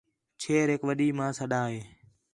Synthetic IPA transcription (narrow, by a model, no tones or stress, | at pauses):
t͡ʃʰeːɾɦɪkʋəɗiːmãːsəɗaːɦeː